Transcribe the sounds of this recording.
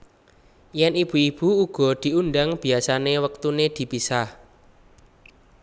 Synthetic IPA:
jɛnib̥ṳib̥uuɡ̥ɔ̤d̪̥i̤unɖaŋb̥i̤asanewək̚t̪uned̪̥i̤pisah

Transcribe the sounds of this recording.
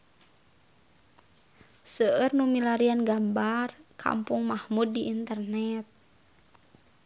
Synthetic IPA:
səərnumilaɾianɡambarkʰa̰mpuŋmahmud̚ːiʔint̪ərnɛt̪̚

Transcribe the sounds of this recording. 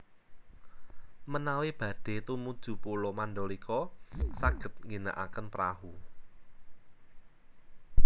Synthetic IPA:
mənaweb̥ä̤ɖ̥e̤t̪umud̥ʒ̥ṳpulɔmand̪ɔlikʰɔsaɡ̥ə̤t̪̚ŋɡina̰ʔa̰kənpɾa̰hu

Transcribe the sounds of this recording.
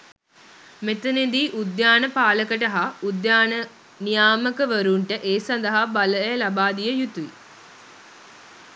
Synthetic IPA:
met̪əned̪iːʔud̪jaːnəpaːləkəʈəɦaud̪jaːnə | nijaːməkəʋəɾuɳʈəʔeːsɐnd̪əɦabaləjəlabaːd̪ijəjut̪uʋḭ

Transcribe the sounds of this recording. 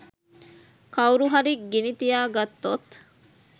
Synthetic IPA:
kʰɐwuɾuɦɐɾiɡinit̪ijaːɡɐt̪ːot̪

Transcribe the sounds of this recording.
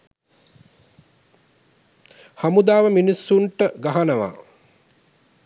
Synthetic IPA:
hamud̪aːʋəminisːuɳʈəɡaɦanəʋa̰ː

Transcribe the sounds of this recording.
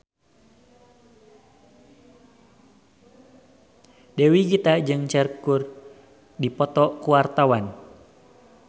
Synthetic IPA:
dɛwiɡit̪ad͡ʒɨŋt͡ʃɛrkur | dipɔt̪ɔkuwart̪awan

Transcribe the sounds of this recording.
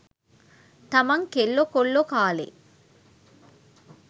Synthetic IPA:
t̪ɐmɐŋkelːokoɭːokaːlḛ

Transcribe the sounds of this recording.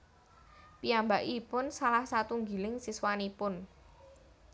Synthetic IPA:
piambaʔipʊnsalahsat̪uŋɡi̤lɪŋsiswanipʊn

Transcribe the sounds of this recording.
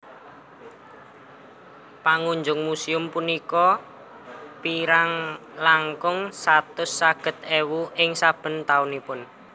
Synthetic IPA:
paŋuɲd͡ʒʊŋmusiʊmpunikɔ | piɾaŋlaŋkʊŋsat̪ʊsːaɡ̥ə̤t̪̚ewuʔɪŋsab̥ə̤nt̪aʊnipʊn

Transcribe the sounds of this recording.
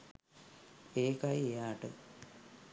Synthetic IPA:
eːkajejaːʈɨ̰

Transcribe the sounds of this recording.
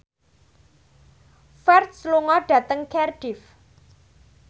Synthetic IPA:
fɛrt̪sluŋɔɖ̥ä̤t̪əŋkʰɛrɖ̥ɪf

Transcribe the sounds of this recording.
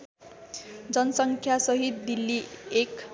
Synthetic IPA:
d͡zʌnʌsʌŋkʰjasʌɦit̪̚d̪ilːiek

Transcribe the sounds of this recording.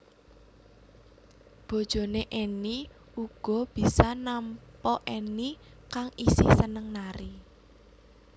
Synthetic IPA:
b̥o̤d̥ʒ̥ɔ̤neʔeni | uɡ̥ɔ̤b̥i̤sanampɔʔeni | kaŋisɪhsənəŋnaɾi

